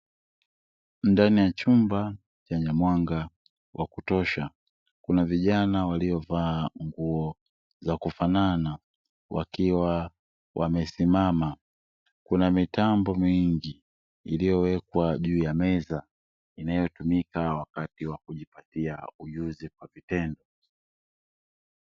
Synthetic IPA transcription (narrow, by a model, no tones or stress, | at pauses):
ndanijat͡ʃumba | t͡ʃaɲamwaŋɡa | wʔakutɔʃa | kunaviʄanawalijɔvaːŋɡuɔ | zakufanana | wʔa̰kiwa | wʔa̰mɛsimama | kunamitambɔmiŋɡi | ilijɔwɛkwaʄuːjamɛza | inajɔtumikawakatiwakuʄipatiauʄuzikwavitɛndɔ